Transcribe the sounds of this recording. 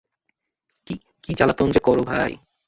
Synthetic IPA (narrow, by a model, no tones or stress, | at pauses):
ki | kit͡ɕalat̪ond͡ʑekɔɾobʱaj